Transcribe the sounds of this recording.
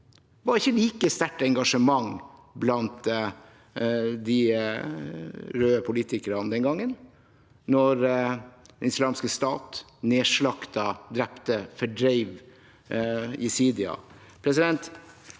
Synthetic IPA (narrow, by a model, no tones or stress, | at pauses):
ʋɑɾɪçːəliːkəst̪æʈːɛŋɡɑʂəmɑŋblɑnt̪ | d̪ɪ | ɾøːəpʰʊliːt̪ɪkəɾɑd̪ɛnɡɑŋːən | nɔɾd̪ɛnɪslɑːmskəst̪ɑ̰ːt̪ | neːʂɭɑkt̪ɑd̪ɾɛpt̪əfɔɖɾɛɪʋ | ɪsiːd̪ɪɑ̰ | pʰɾɛsɪd̪ɛnt̪